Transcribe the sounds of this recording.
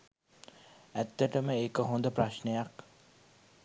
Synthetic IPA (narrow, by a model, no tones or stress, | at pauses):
æt̪ːəʈəməekəɦond̪əpraʃnəjak